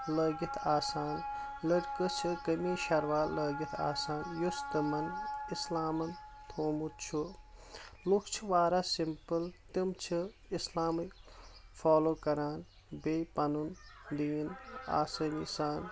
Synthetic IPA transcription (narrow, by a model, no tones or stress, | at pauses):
lɐːɡit̪ʰaːsaːn | lɐɽkət͡ʃʰɨkɐmiːʃɐɾʋaːləːɡit̪ʰa̰ːsaːnjust̪ɐmɐnislaːmɐn | t̪ʰoːmut͡ʃʰu | lukt͡ʃʰʋaːɾasimpəlt̪imt͡ʃʰɨ | islaːmɨfaːloːkɐɾaːn | beːpɐnund̪iːna̰ːsɐːnisaːn